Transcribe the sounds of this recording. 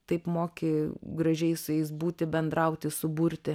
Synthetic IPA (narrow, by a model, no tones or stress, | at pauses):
t̪ɐɪpmoːkʲeɡɾɐʒʲɛɪsʊjɛɪsbuːt̪ʲɪbʲɛnd̪ɾɐʊt̪ʲɪsʊbuɾʲt̪ʲɪ